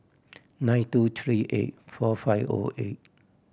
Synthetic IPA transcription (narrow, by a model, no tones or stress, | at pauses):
najnt̪uːt̪ʰɹiːʔḛt̚fɔːfajvʔo̰ːʔet̚